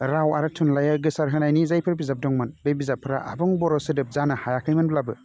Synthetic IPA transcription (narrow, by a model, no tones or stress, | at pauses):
ɾawaɾɯtʰunlajaɡɯsaɾɦɯnajnizajpʰɯɾbizap̚dɔŋmɯnbebizapʰːɯɾaa̰bɔŋbɔɾɔsɯdɯp̚zanɯhajakʰɯjmɯnblabɯ